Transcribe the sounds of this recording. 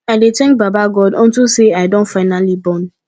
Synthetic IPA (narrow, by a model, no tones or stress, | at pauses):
aɪdetɛ̃ŋk̚babaɡɔdɔ̃n̩tuseaɪdõntfaɪnalibɔ̃n